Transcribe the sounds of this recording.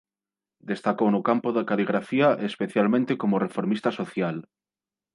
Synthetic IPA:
d̪est̪akownokampoðakaliɣ̞ɾafiaʔespeθjalmẽnt̪ekomorefoɾmist̪asoθjal

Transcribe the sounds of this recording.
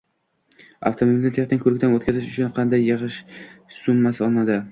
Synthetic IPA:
a̰ft̪ʰomoilnɪt̪ʰeχt̪ɪnkʰɵɾɪkʲt̪anot̪̚kʰʲazɪʃʊt͡ʃʰʊnqʰɑnd̪ajːɨʁɨʃsʊmːasɒnad̪ɪ

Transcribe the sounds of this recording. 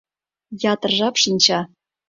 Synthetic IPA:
jɑt̪ɤ̆rʐɑpʂɨnʲt͡ɕɑ

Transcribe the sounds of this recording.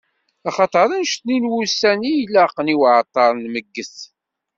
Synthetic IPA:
ɑχɑt̪ˤəɾˤənʃt̪ninwusænijlːæqːəniwʕət̪ˤːɑɾˤnməɡːəθ

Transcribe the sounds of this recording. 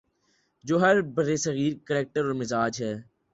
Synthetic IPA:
d͡ʒoːɦəɾbəɾesəɣiːɾkəlɛːk̚ʈəɾɔːɾmɪzaːd͡ʒɦɛː

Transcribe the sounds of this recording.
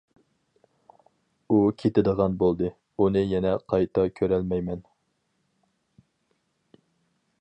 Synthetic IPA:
ukʲʰet̪ɪd̪əʁɑnbolˠd̪ɨ | unɨjɛnɛqʰɑjt̪ʰɑkʲʰøɾɛlmɛjmɛn

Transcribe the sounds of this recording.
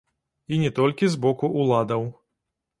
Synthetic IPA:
inʲɛt̪ɔlʲkʲizbɔkuʔulˠad̪ɐw

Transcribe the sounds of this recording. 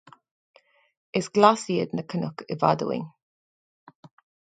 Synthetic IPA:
ɪsɡ̥lasiədnəkʰənʊkɪva̰də̰wɪ̰ŋ

